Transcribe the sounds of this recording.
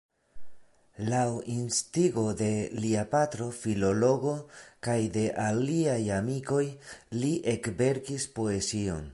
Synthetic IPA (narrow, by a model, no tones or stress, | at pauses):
lawinstiɡo̞de̞liapatɾo̞filo̞lo̞ɡo̞kajde̞ʔaliajamiko̞jliʔe̞kbe̞ɾkispo̞e̞sio̞̰n